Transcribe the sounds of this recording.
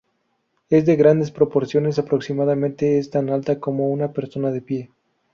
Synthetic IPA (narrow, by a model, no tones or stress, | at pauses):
e̞zd̪e̞ɣɾand̪e̞spɾo̞po̞ɾsjo̞ne̞s̬apɾo̞ksimaðamẽ̞nt̪e̞est̪analt̪ako̞mo̞unape̞ɾso̞naðe̞pje̞